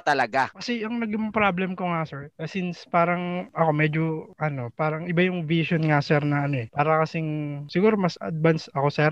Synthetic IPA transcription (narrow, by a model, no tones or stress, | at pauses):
t̪ɐlɐɡakɐsɛʔɐŋnɐɡɪmɐpɾablɛmkoŋasɛɹkɐsinspaːɾɐŋʔɐko̞mɛd͡ʒoʔɐno̞paːɾɐŋʔɪbajʊŋviʃonŋasɛɾnɐʔɐno̞ɛpaːɾɐkɐsɪŋsɪɡuːɾomɐsɐ̰d̪̚bansɐko̞sɛɾ